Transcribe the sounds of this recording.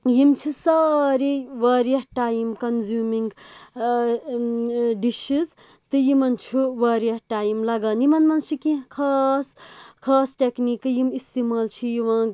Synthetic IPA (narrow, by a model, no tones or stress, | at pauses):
jimt͡ʃʰisɐɾiʋɐːɾijɐʈajimkɐnzjumiŋɡ | ɖiʃiz | t̪ɨjimɐnt͡ʃʰuʋaɾijɐʈaːjimlɐɡanimɐnmɐnt͡ʃʰikĩkʰɐskʰɐːsʈeknikjimist̪imɐlt͡ʃʰijiʋãː